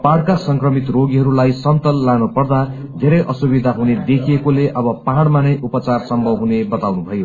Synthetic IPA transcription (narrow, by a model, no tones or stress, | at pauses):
paɽkasʌŋkrʌmit̪roɡiɦʌɾulajsʌnt̪ʌlːanupʌrd̪a | d̪ʱeɾʌjʔʌsubid̪ʱaɦuned̪ekʰiekoleʔʌbʌpaɦɽmanʌjʔupʌt͡sarsʌmbʱʌbɦunebʌt̪awnubʱʌjo